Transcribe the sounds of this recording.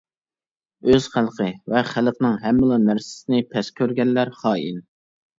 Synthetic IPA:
øz̥χælˠqʰəvɛχælˠqnɨŋɦɛmːɪlˠɑnæɾsɪ̥sɪnɪpʰɛskʲʰøɾɡʲɛnlːæɾχɑːḭn

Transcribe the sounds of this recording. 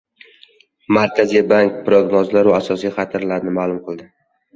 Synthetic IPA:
maɾkʲʰazijbaŋk̚pɾoɡnɒzlaɾaasɒsijχɑt̪ʰaɾlaɾnɪmaːlˠʊmqʰɨlˠd̪ɪ

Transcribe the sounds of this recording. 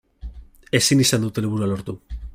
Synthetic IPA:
e̞sinisand̪ut̪e̞liβuɾualo̞ɾt̪u

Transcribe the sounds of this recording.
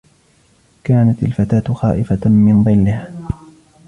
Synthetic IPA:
kaːnat̪alfat̪aːt̪xa̰ːʔɪfamɪnðˤɨlːɪh

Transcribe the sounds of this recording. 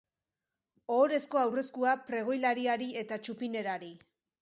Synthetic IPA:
o̞ɾe̞sko̞awre̞skuapɾe̞ɣ̞o̞jlaɾiaɾie̞t̪at͡ʃupine̞ɾaɾi

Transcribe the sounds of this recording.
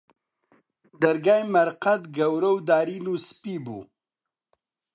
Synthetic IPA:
d̪ɐɾɡaːjmɐɾqɐt̪ɡɐwɾɐwd̪aːɾinuspiːbṵ

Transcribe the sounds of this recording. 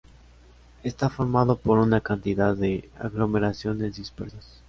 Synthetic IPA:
est̪afo̞ɾmaðopo̞ɾunakant̪iðaðea̰ɣlo̞me̞ɾasjo̞ne̞zðispeɾsas

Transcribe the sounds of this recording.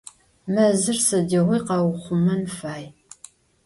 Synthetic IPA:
mɐzɨrsɐdɐʁʷijqɐwχʷʊmɐnfaːj

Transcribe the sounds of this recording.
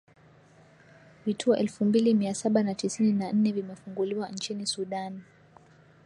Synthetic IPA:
vitʰuɔʔɛlfumbilimiasaɓanatisininan̩nɛvimɛfuŋɡuliwant͡ʃinisuɗan

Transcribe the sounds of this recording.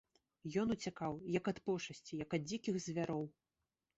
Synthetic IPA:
jɔnut͡sʲakawjɐkɐt̪pɔʂɐsʲt͡sʲijɐkɐd̪̚d͡zʲikʲixzʲvʲaɾɔw

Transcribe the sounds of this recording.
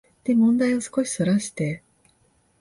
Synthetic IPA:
d̪̥e̞mõ̞nd̪aiβosɨ̥ko̞ɕi̥so̞ɾaɕi̥t̪e̞

